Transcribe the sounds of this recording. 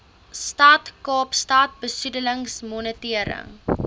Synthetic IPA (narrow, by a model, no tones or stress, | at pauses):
stɐtkɑːpstɐt̚bəsudələŋsmɔnətiəɾə̰ŋ